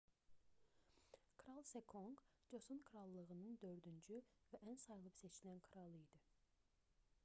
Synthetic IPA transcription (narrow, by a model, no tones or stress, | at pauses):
kʰɾɑlˠsekʰoŋkd͡ʒosunkʰɾɑlˠːəʁənɨŋd̪øɾd̪ynt͡ʃʰyvɛʔænsɑjlˠəpset͡ʃʰinɛnkʰɾɑlˠed̪ɪ